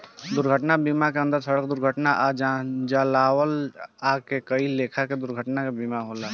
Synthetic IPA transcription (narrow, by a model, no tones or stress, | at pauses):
d̪ʊɾɡʱəʈnabimakeə̃nd̪əɾsəɽək̚d̪ʊɾɡʱəʈnaʔad͡ʒad͡ʒalaːwəlakekəileːkʰaked̪ʊɾɡʱəʈnakebimaɦoːla